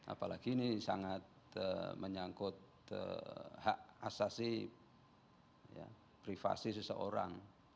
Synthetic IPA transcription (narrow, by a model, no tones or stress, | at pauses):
ʔa̰palaɡinisa̰ŋat̪̚ | əməɲaŋkʊt̪̚ | ə̰ha̰ʔasasi | ja̰ | pɾifa̰sis̬əsəʔoɾa̰ŋ